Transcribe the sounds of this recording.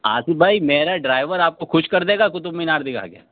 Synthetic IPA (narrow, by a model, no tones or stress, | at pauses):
a̰ːsibʱaːimeːɾaɖɾaːɪʋəɾaːp̚koxʊʃkɐɾd̪eːɡakʊt̪ʊbminaːɾd̪ɪkʰa̰ːɡeja̰ː